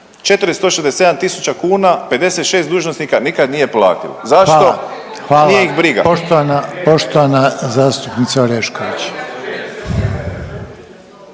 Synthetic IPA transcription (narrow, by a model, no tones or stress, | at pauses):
t͡ʃe̞t̪ɨɾist̪oʃezd̪ese̞d̪amt̪isut͡ɕakuːnape̞d̪e̞se̞t̪ʃe̞ːst̪d̪uːʒnosnikanikad̪nije̞pla̰ːt̪ḭlo̰zaʃo̞ | xʋaːlieixbɾiɡa̰poʃt̪oʋanapoʃt̪oʋanazaːst̪upnit̪saoɾeʃkoʋit͡ɕ